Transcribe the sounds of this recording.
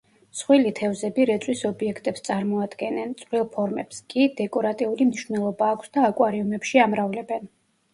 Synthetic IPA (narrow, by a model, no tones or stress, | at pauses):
sχwilit̪ʰɛvzɛbiɾɛt̪sʼwisɔbiɛkʰt̪ʼɛpst̪sʼaɾmɔad̪ɡɛnɛnt̪sʼvɾilˠpʰɔɾmɛ̰pskʼid̪ɛkʼɔɾat̪ʼiulimniʃvnɛlˠɔbaːkʷʰsd̪aːkʼwaɾiumɛpʃiamɾavlɛbɛn